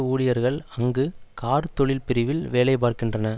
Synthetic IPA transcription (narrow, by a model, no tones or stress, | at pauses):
uːɽɪjɐɾɣɐɭɐŋɡɯkaːɾt̪ɔɭɪlpɪɾɪʋɪlʋeːlɐɪp̬aːɾkɪndrɐnɐ